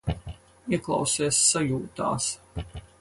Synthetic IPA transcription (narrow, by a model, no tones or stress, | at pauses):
iɛklˠa̰wsiːsːajuːt̪a̰ːs